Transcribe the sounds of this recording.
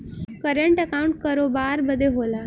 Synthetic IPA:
kəɾəɳʈəkaũɳʈ̚kəɾobaɾbəd̪ʱːeɦola

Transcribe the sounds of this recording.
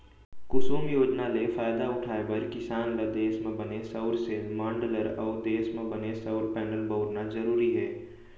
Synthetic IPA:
kʊsuːmjoːd͡ʒnalefaːjd̪aʊʈʰaːebəɾkɪsaːnlad̪eːsmẽbɐnesəʊɾsemãːɳɖələɾɔːɾd̪eːsmẽbɐnesəʊɾpɛːnəlbəʊɽnazəɾuːɾiɦɛː

